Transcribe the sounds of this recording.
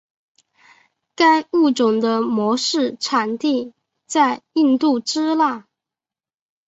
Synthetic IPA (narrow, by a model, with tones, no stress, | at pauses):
ka˥ɪu˥˩ʈ͡ʂʊ˨˩ŋd̪ə˦mwɔ˧˥ʂɻ̩˥˩ʈ͡ʂʰa˨˩nt̪i˥˧ | t͡sa˥˧ɪi˥˧nt̪u˥˩ʈ͡ʂɻ̩˥la˥˩